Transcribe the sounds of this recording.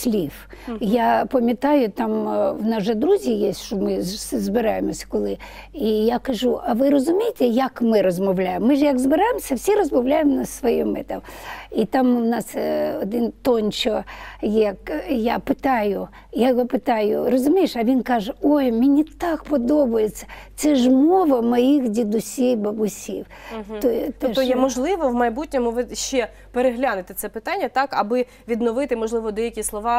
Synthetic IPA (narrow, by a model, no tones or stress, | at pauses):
sʲlʲif | japɐmʲjɐt̪ɑjʊt̪amwnɑʒɐd̪ɾuzʲijesʲʃɔmɪzbɪɾɑjemɔsʲɐ̥kɔlˠɪ | ijakɐʒuʔɐʋɪɾɔzʊmʲijɪt̪ɛjɐkmɪɾɔzmɔwlʲajemːɪʒjɐɡzbɪɾajɪmɔsʲɐwsʲiɾɔzmɔwlʲajɪmnɐsʋɔjɛmɪ̰t̪ɐmit̪amʋnɑsɔd̪ɪnt̪ɔnʲt͡ʃɔjɐkjapɪt̪ɑjʊ | jaɔpɪt̪ɑjʊrɔzʊmʲijɪʃɐʋʲinkɑʒɛɔjmʲinʲit̪ɑk̚pɔd̪ɔbʊjet͡sʲːɐ̥t̪sɛʒmɔʋɐmɔjixdʲid̪ʊsʲijbɐbʊsʲḭw̪ | ɔjt̪ɛʃɔjɛmɔʒlˠɪʋɔwmɐjbutʲnʲɔmʊʋɪʃt͡ʃɛ | peɾeɦlʲanʊt̪ɪt̪sɛpɪt̪anʲːɐt̪ɑkɐbɪ | ʋʲid̪nɔʋɪt̪ɪmɔʒlˠɪʋɔd̪ɛjɐkʲislˠɔʋɑ